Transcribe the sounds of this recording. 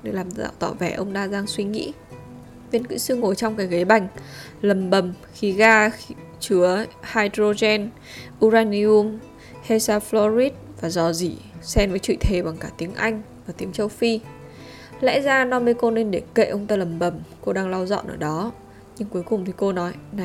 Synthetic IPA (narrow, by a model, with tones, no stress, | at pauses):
ne˧jlaː˨˩mt̪a̰ː˧˨wt̪ɔ˧˩vɛ˧˩ʔə˧wŋ͡mt̪aː˧zaː˧ŋswi˧ŋḭ˧˥ | ve˧nkɨ̰˧˥sɨ˧ŋo˨˩jt͡ɕɔ˧wŋ͡mkaː˨˦jɣə˨˦jɓa˨˩jŋ̟ | lə˨˩mɓə˨˩m | xi˨˦ɣaː˧x | t͡ɕɨ˨˦əhaː˧jdɾo˧zɛ˧n | ʔu˧zaː˧ni˧u˧m | he˧saː˧flɔ˧ɾi˦˥t̚vaː˨˩zɔ˧˩zḭ˧˩sɛ˧mvəː˨˦jt͡ɕwḭ˧˨t̪ʰe˨˩ɓa˨˩ŋkaː˧˩t̪i˨˦əŋʔa˧jŋ̟vaː˨˩t̪i˨˦əŋt͡ɕə˧wfi˧ | lɛ̰˧˥zaː˧nɔ˧mə˧jko˧ne˧nɗe˧˩kḛ˧˨ʔə˧wŋ͡mt̪aː˧lə˨˩mɓə˨˩mko˧ɗaː˧ŋla˧wzɔ̰˧˨nʔəː˧˩ɗɔ˨˦ | ɲɨ˧ŋku˨˦əjkʊ˨˩ŋ͡mt̪ʰi˨˩ko˧nɔ˨˦jn˨˩